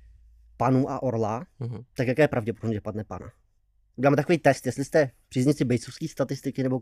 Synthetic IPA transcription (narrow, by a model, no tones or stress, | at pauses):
panuːʔaʔoɾlat̪akjakɛːjɛpɾavɟɛp̬odobmɲɛd͡ʒɛpadnɛpa̰na̰̥ | ɛlaːmɛt̪akovijt̪ɛst̪jɛst̪lɪst̪ɛpr̥iːzɲɪt͡sɪbɛjt͡sofskiːst̪at̪ɪst̪ɪkɪnɛbo